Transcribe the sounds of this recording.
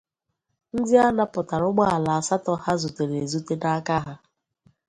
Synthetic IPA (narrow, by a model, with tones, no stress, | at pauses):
n̩˦dɪ˦a˦na˦pʊ˨ta˨ɾʊ˦ɡ͡ba˦a˨la˨a˨sa˦tɔ˦ha˦zu˨te˨ɾe˨zu˦te˦da˦ka˦ɦa˦